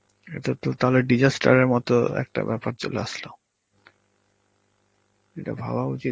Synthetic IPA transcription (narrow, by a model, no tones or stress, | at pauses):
et̪ot̪ot̪aɦoleɖid͡ʑasʈa̰ɾeɾmɔt̪oɛ̰k̚ʈa̰bɛpaɾt͡ɕo̰leaʃlo | eʈa̰bʱa̰baut͡ɕi